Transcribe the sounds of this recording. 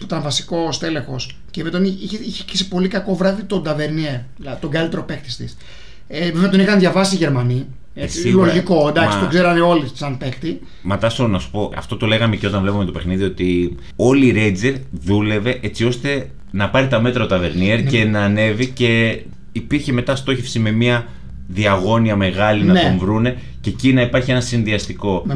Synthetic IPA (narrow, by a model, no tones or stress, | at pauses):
puit̪ɐɱvɐsi̥ko̞st̪e̞lexo̞s | cemet̪oniiiçeci̥si̥po̞likɐko̞vɾɐðit̪o̞d̪ɐve̞ɾnieɾ | lɐðit̪oŋɡɐlit̪ɾopekt̪i̥st̪is | evizmɐt̪onixɐnðʝɐvɐsisiʝe̞ɾmɐni | esilo̞ɾʝiko̞nd̪ɐksitoɡzeɾɐneo̞li̥sɐnpe̞kt̪i | mɐt̪ɐst̪onɐsu̥po̞ɐ̰ft̪o̞t̪o̞le̞ɣɐmeceot̪ɐnvlepumet̪ope̞xniðio̞t̪i | o̞liːɾed͡zeɾðule̞veʔet͡sio̞st̪e̞ | nɐpɐɾit̪ɐme̞t̪ɾɐot̪ɐve̞ɾnieɾce̞nɐːne̞vice̞ | ipiɾçe̞me̞t̪ɐst̪o̞çe̞fsime̞miɐ | ðiɐɣo̞niɐme̞ɣɐlinnɐtonvɾune̞ | ce̞cinɐipɐɾçie̞nɐsinðiɐst̪iko̞